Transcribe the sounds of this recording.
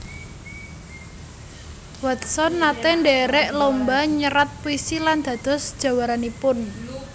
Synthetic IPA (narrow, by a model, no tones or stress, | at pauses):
wat̪̚sɔnːat̪ɛɳɖɛɾɛʔlombaɲəɾat̪̚puisiland̪̥ä̤d̪̥ɔ̤sd̥ʒ̥a̤waɾanipʊn